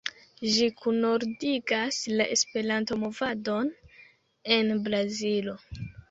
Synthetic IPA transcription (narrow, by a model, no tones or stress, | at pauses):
ʒikʰuno̞ɾdiɡaslaʔe̞spe̞ɾanto̞mo̞vado̞n | e̞nbɾazilo